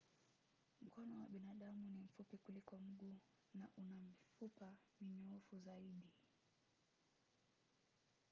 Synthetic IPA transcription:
m̩kɔnɔwaɓinaɗamunim̩fupikulikɔm̩ɠu | naʔunam̩fupamiɲɔɔfuzaiɗi

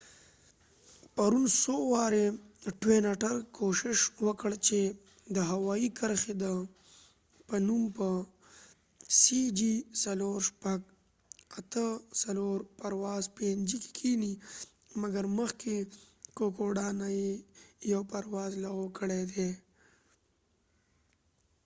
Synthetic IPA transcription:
paɾunsowɑɾeʈwenaʈaɾkʰoʃɪʃwəkəɽt͡ʃe | d̪əɦawɑikʰəɾxed̪ə | pənumpə | sid͡ʒisaloɾʃpaɡ | at̪əsaloɾpaɾwɑzpend͡ʒike̥kʰini | maɡaɾməxkekokoɖɑnajejawpaɾwɑzlaɣokəɽed̪e

